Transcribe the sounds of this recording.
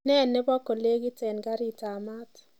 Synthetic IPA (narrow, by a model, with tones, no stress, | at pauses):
nɛ˦˨nːɪ˦bɔ˦ko˨le˦ɡɪ˦tɛ˨nɡa˦ɾi˦ta˨ma˦t